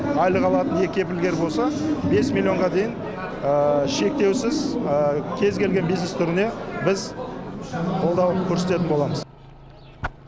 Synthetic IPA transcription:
ɑjlˠəʁɑlˠɑt̪ənje̞kʲe̞p̬ɪlɡʲe̞ɾbo̞lˠsɑbe̞smilʲjio̞ɴʁɑd̪e̞jɪn | əʃe̞k̚t̪e̞wsɪz | kʲʰe̞zkʲe̞lɡʲe̞nbijznest̪ʰʏɾɪne̞bɪz | qʰo̞lˠd̪ɑwkʲʰɵɾse̞t̪eɪnbo̞lˠɑməz

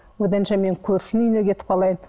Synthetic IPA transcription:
wɵd̪ænʃɑme̞ŋkʲʰɵɾʃɪnʏjnekʲʰe̞t̪ɪpqʰɑlˠɑjən

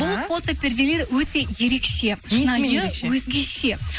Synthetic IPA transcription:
bʊlˠfo̞t̪opɪɾd̪ele̞ɾwɵt̪e̞je̞ɾe̞kʃe̞ʃnɑjəwɵzɡʲe̞ʃe̞

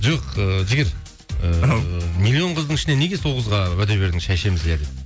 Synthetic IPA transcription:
ʒoqəʒɪɡʲɪɾ | əmilʲːio̞ɴqʰəzd̪əɴɪʃɪne̞ne̞ɡʲe̞so̞ʁəzʁɑwæd̪ebe̞ɾd̪ɪŋʃæjʃe̞mɪzjæd̪et̚

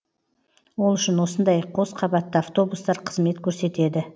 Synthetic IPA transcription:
wo̞lˠʏʃɪnwo̞sənd̪ɑjqʰo̞sqʰɑbɑt̪ːəɑft̪o̞bust̪ɑɾqʰəzme̞t̪kʲʰɵɾse̞t̪e̞d̪ɪ

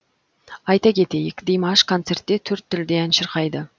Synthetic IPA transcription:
ɑjt̪ɑkʲʰe̞t̪e̞jɪkʲd̪ejmɑʃkʰont̪se̞rt̪ːet̪ʰʏɾt̪ʰːɪld̪eænʃəɾqɑjd̪ə

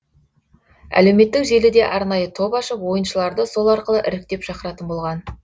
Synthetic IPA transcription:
æ̰le̞wme̞t̪ːɪkʒe̞lɪd̪e̞̰ʔɑɾnɑjət̪ʰo̞pɑʃəpwo̞jənʃəlˠɑɾd̪əso̞lˠɑɾqəlˠəʔɪ̰ɾɪk̚t̪e̞pʃɑqəɾɑt̪ənbo̞lˠʁɑn

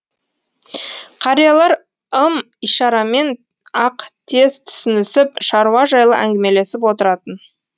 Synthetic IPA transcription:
qʰɑɾijɑlˠɑɾ | əm | iʃɑɾɑme̞n | ɑqt̪ʰe̞z̥t̪ʰʏ̥sɪnɪsɪpʃɑɾuɑʒɑjlˠə̰ʔæ̰ŋɡʲɪme̞le̞sɪp̬wo̞t̪əɾɑt̪ən

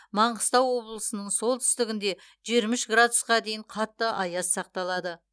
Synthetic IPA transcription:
mɑɴʁəst̪ɑwwo̞blˠəsənəɴso̞lˠt̪ʰʏ̥st̪ɪɡʲɪnd̪e̞ | ʒiɾmɪʃɡrad̪ʊsqɑd̪e̞jɪɴqʰɑt̪ːəʔɑjɑsːɑq̚t̪ɑlˠɑd̪ə

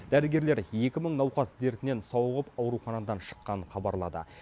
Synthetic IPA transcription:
d̪̥æɾɪɡʲe̞ɾle̞ɾje̞kʲɪməɴnɑwqɑsd̪e̞ɾt̪ɪne̞nsɑwʁəpɑwɾuχɑnɑd̪ɑnʃə̥qːɑnχɑbɑɾlˠɑd̪ə̰

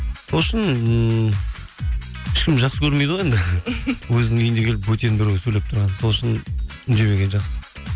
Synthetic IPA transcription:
so̞lˠəʃɪnə | ɪʃkʲɪmʒɑqsəkʲʰɵɾmed̪ʁojend̪ɪwɵzɪnɪŋʲʰejɪnd̪e̞kʲeɪp̬wɵt̪enbɪɾewʲɪsɵleɪpt̪ʰʊɾʁɑnso̞lˠʏʃɪnʏnʒe̞βe̞ɡʲenʒɑqsə̥

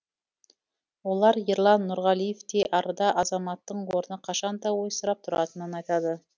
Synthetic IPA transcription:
wo̞lˠɑɾjeɾlˠɑnːʊɾʁɑlˠijeft̪eʔɑɾəd̪ɑʔɑzɑmɑt̪ːəɴwo̞ɾənəqʰɑʃɑnd̪ɑwo̞jsəɾɑp̚t̪ʰʊɾɑ̰t̪ənənɑjt̪ɑd̪ə

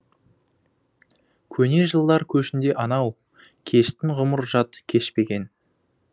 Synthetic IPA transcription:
kʲʰɵne̞ʒəlˠd̪ɑɾkʲʰɵʃɪnd̪e̞ʔɑnɑw | kʲʰe̞ʃt̪ɪnʁʊməɾʒɑt̪kʲʰe̞ʃpe̞ɡʲe̞n

